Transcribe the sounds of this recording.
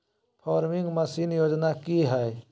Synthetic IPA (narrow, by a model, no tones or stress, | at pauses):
pʰɔːɾmɪŋɡməsiːnjoːd͡ʒnakiɦɛe